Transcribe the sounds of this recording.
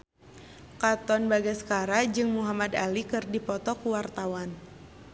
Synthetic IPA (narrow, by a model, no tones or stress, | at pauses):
kat̪ɔnbaɡasə̥kaɾad͡ʒɨŋmuɦamad̪alikɨrdipɔt̪ɔkuwart̪awan